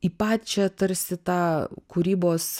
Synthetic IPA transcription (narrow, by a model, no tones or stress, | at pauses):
iːpɑːt̪ʲt͡ʃʲɛɐt̚t̪ɐɾʲsʲɪt̪ɑːkuːɾʲiːboːs